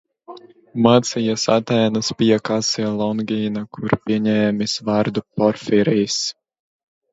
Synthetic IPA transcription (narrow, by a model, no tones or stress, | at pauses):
maːt̪sijasat̪ɛːnasbiɛkasialˠɔnɡʲiːnakʰuɾpʲiɛɲʲɛːmʲisvaɾd̪upɔɾfiɾiːs